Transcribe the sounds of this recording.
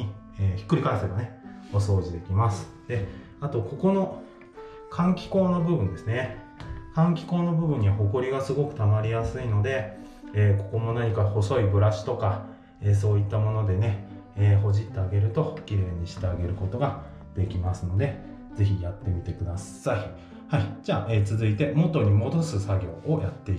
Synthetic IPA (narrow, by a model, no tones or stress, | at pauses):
i | eːçi̥kːɯ̟ɾʲikaiseɡane̞o̞so̞ːʑid̪e̞kʲimasɨ̥ | d̪̥e̞ | at̪o̞ko̞ko̞no̞ | kʰãŋkʲi̥ko̞ːnobɯ̟bɯ̟̃nd̪e̞sɨne̞ | kãŋkʲi̥ko̞ːno̞bɯ̟bɯ̟̃ɲ̟ːiβaho̞ko̞ɾʲiɡasɨɡo̞kɯ̟̥t̪amaɾʲijasɨino̞d̪e̞ | eːko̞ko̞mo̞naɲ̟ikaho̞so̞ibɯ̟ɾaɕi̥t̪o̞ka | eːs̬o̞ːit̪ːamo̞no̞d̪e̞ne̞ | eːɦo̞ʑit̪ːe̞aɡe̞ɾɯ̟t̪o̞kʲiɾe̞ːɲ̟ːiɕi̥t̪e̞aɡe̞ɾɯ̟ko̞t̪o̞ɡa | d̪̥e̞kʲimasɨno̞d̪e̞ | ze̞çijat̪ːe̞mʲit̪e̞kɯ̟d̪as | ai | haid͡ʑaːʔeːt͡sɨzɨit̪e̞mo̞t̪o̞ɲ̟imo̞d̪o̞sɨsaɡʲo̞ːojat̪ːe̞i